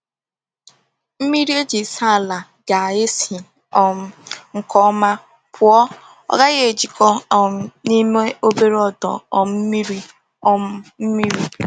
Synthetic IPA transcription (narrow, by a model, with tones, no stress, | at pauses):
m̩˦mi˦ɾi˦e˦d͡ʒi˨sa˦˨la˨ | ɡa˨e˦si˨ | ɔ˨m̩˦ŋ̩˨kɔ˦ma˦ | pʰʊ˨ɔ˦ | ɔ̰˦ɡa˦ɣe˦e˨d͡ʒi˨kɔ˦ɔ˨m̩˦ni˦me˦o˦be˦ɾe˦ɔ˦˨dɔ̰˨ɔ˨m̩˦m̩˦mi˦ɾi˦ | ɔ˦m̩˦m̩˦mi˦ɾi˦